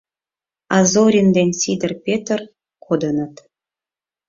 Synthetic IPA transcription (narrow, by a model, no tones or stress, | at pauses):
ɑzoɾʲind̪enʲsid̪ə̆rpʲet̪ər | kod̪ə̆nɤ̆t̪